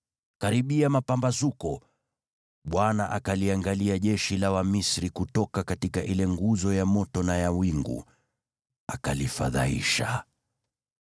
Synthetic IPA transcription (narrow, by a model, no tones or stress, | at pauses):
kaɾiɓiamapambazukɔ | ɓwanaʔakaliaŋɡaliaʄɛʃilawamisɾikutɔkakatikaʔilɛŋɡuzɔjamɔtɔnajawiŋɡṵ | akalifa̰ða̰ḭʃa